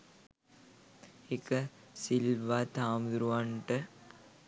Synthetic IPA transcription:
ekəsilʋat̪aːmd̪uɾuʋaɳʈə

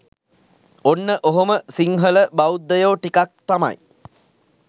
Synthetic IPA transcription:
onːəʔoɦoməsiŋɦələbaud̪ːəjoːʈikak̚t̪ama̰j

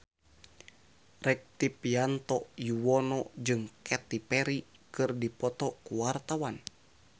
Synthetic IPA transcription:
rɛk̚t̪ipiant̪ɔjuwɔnɔd͡ʒɨŋkʰɛt̪ipɛɾi | kɨrdipɔt̪ɔkuwart̪awan

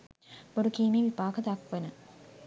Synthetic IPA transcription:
b̥oɖukiːmeːʋipaːkəd̪akʋenə

